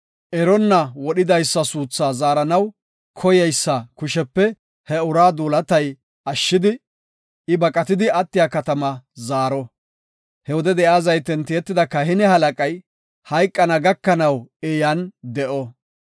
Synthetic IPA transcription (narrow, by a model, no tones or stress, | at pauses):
ʔɛɾɔnːɐwɔɗɪd̪ɐjsːɐsuːt͡sːaːzaːɾɐnɐw | kʰɔjɛjsːɐkʊʃɛpːɛ | hɛʊɾaːd̪uːlɐt̪ɐj | ɐʃːɪd̪ɪ | ɪbɐkʼːɐt̪ɪd̪ɪɐt̪ːɪjakɐt̪ɐmɐzaːɾɔ | hɛwɔd̪ɛd̪ɛjaːzɐjt̪ɛnt̪ːɪjɛt̪ːɪd̪ɐkːɐhɪnɛhɐlɐkʼɐj | hɐjkʼːɐnɐɡɐkːɐnɐwɛjɐnd̪ɛʔɔ